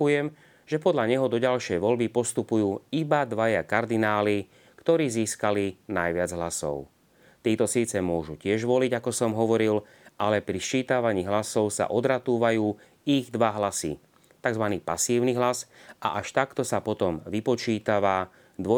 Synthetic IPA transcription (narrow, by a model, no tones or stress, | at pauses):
ujɛm | ʒɛpɔd̪ʎaɲɛɦɔd̪ɔɟalʃɪɛjʋɔlbipɔst̪upujuːibad̪ʋajakaɾd̪inaːli | kt̪ɔɾiːziːskalinajʋɪad͡zɦlasɔ̰ʊ | t̪iːt̪ɔsiːt͡sɛmʊɔʒucɪɛʒʋɔliɟakɔsɔmɦɔʋɔɾil | ʔalɛpɾist͡ʃiːt̪aʋaɲiːɦlasɔʊsa̰ʔɔd̪ɾat̪uːʋajuː | iɣd̪ʋaɦlasḭ | t̪aɡzʋaniːpasiːʊniɦlasa̰ʔaʃt̪akt̪ɔsapɔt̪ɔmʋipɔt͡ʃiːt̪aʋa | d̪ʋɔ